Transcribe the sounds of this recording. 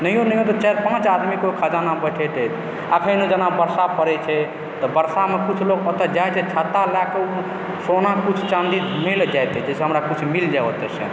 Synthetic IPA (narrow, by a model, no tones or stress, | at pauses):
nəɦijonəɦijõt̪ɔt͡ʃaɾpãt͡ʃad̪mikekʰəd͡ʒanabəʈʰɛt̪ɛt̪ʰ | əkʰənod͡ʒənabəɾsapʰəɾɛt͡ʃʰɛ | t̪ɔbəɾsamekut͡ʃʰloɡɔt̪əd͡ʒajt͡ʃʰɛt͡ʃʰət̪ːalakeu | sonakut͡ʃʰt͡ʃãnd̪id̪mild͡ʒajt̪ɛd͡ʒeseɦəmɾakut͡ʃʰmild͡ʒaot̪ɛsə̃